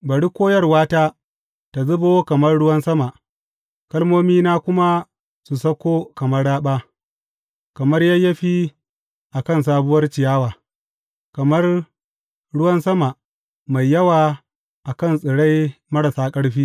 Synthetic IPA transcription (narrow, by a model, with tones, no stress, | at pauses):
bɐ˨ɽi˦kʷoː˦jɐ˦rwaː˦taː˦ | ta˨zʊ˦boː˦kɐ˨mɐ˦rɽʊ˦wɐ˦nsɐ˦ma˨ʔ | kɐ˦lmoː˦miː˦naː˦kʷʊ˦ma˦ | su˨sɐ˦kʷoː˦kɐ˨mɐ˦ɽaː˦ɓaː˦ʔ | kɐ˨mɐ˦rja˦jɐ˦ɸiː˦ | ʔa˨kɐ˦˨ns̬aː˦bʊ˦wɐ˦rt͡ʃɪ˨jaː˦waː˨ | kɐ˨mɐ˦r | ɽʊ˦wɐ˦nsɐ˦ma˨ʔ | ma˨jːɐ˦waː˨ | ʔa˨kɐ˦˨nsʼɪ˨ɽa˦jmɐ˦ɽɐ˨saː˦kʼɐ˦ɽɸiː˦